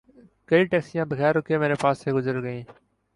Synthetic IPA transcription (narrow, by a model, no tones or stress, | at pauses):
kəiːʈeːksijãːbəɣɛːɾʊkʰeːmẽːneːpaːseːɡʊzəɾɡəĩː